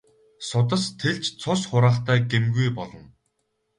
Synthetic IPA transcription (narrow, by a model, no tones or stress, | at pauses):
sʊt̪ə̆st̪ʰeɮt͡ɕt͡sʰʊsχʊɾaːχt̪æːɡemɡujpɔɮɞ̆n